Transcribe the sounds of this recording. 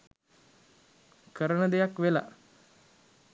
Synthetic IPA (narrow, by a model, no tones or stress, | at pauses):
kəɾənəd̪ejakʋela̰